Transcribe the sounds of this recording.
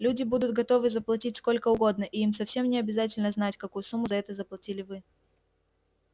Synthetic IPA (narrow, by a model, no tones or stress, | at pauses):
lʲudʲɪbud̪ʊt̪̚ɡɐt̪o̞vɨzəplˠɐtʲitʲsko̞lʲkəʊɡo̞d̪nəʔiimsɐfsʲe̞mnʲɪɐbʲɪzat̬ʲɪlʲnəznatʲkɐkujʊsumːʊzɐɛt̪əzəplˠɐtʲilʲɪvɨ